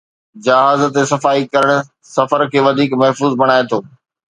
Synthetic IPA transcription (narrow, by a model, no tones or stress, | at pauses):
d͡ʑɐɦaːzət̪esɐfaːikɐɾəɽ̃ | sɐfəɾkʰeːʋɐd̪ʱiːkmɐɦfuːzbɐɽ̃aːet̪ʰoː